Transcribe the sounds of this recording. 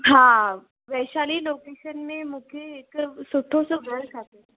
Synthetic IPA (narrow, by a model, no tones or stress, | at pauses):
ɦã | ʋɛɕaliːlokeɕənmemukʰeːkəsuʈʰosuɡəɾkʰat̪e